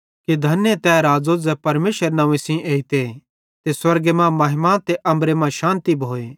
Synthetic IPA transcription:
kid̪ʱɐnet̪ɛːɾaːd͡zod͡zɛpɐɾmeːʃəɾnɐ̃ʋẽsĩʔeːit̪e | t̪eswɐɾɡemãmɐɦɪmãt̪eʔɐ̃mbɾemãʃãːnt̪ibʱoːeː

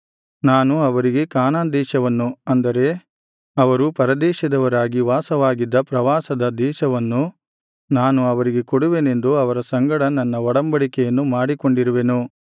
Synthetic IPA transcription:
naːnuɐʋɐɾiɡe̞kaːnaːnd̪ɛːʃɐʋɐnːuɐnd̪ɐɾe̞ | ɐʋɐɾupɐɾɐd̪ɛːʃɐd̪ɐʋɐɾaːɡiʋaːsɐʋaːɡid̪ːɐpɾɐʋaːsɐd̪ɐd̪ɛːʃɐʋɐnːu | naːnuɐʋɐɾiɡe̞koɽuʋene̞nd̪uɐʋɐɾɐsɐŋɡɐɽɐnɐnːɐɔɽɐmbɐɽikɛjɐnːumaːɽikoɳɖiɾuʋe̞nu

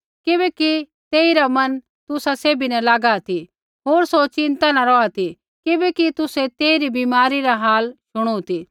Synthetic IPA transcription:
kɪbɛki | t̪eːiɾamɐn | t̪ʊsaseːbinɛ̃laːɡat̪i | ɦoːɾsot͡ʃɪ̃nt̪anãɾɔat̪ʰi | kɪbɛkit̪ʊset̪eːiɾibiːmaːɾiɾaɦaːlʃʊɽ̃ut̪i

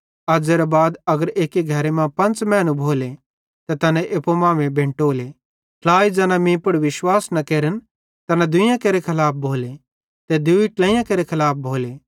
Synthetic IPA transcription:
ɐd͡ʒeɾɐbaːd̪ɐɡəɾeːkeɡʱɐɾemãpɐ̃nt͡ʃmɛ̃ːnũbʱoːle | t̪ɐt̪ɐnɛ̃ʔeːpomãːmẽbʱẽːɳʈoːle | pʰlaːid͡ʒɐːnãmĩːpʊɽʋɪʃwaːsnɐkeːɾən | t̪ɐnãd̪ʊjãkeɾekʰɐlaːp̚ʰbʱoːle | t̪ɛd̪ʊiʈlɛ̃ːɪ̃jãkeːɾekʰɐlaːp̚ʰbʱoːleː

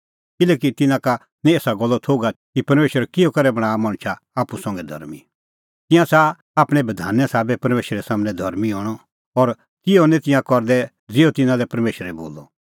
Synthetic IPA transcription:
kɪlɛːkit̪ɪnãka | nɛ̃eːsaɡɔlːɔt̪ʰoːɡakipɐɾmeːʃəɾkɪjɔkɐɾɛbɐɽ̃aːmɐ̃ɽ̃t͡ʃʰa | aːpusɐ̃ŋɡɛd̪ʱɐ̰ɾmi | t̪ɪ̃jãsa | aːpɽ̃ɛ̃bɐd̪ʱa̰ːnːɛsaːbɛpɐɾmeːʃɾɛsaːmnɛ̃d̪ʱɐɾmiɦɔːɽ̃ɔ | ɔɾ | kɪjɔnɛ̃t̪ɪ̃jãkɔɾd̪ɛ | d͡zɪot̪ɪnãlɛpɐɾmeːʃəɾɛbo̰ːlːɔ

